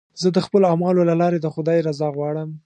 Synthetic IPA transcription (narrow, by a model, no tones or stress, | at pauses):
zəd̪əxpəloamɑlolalɑɾed̪əxʊd̪ɑjɾazɑɣwɑɽəm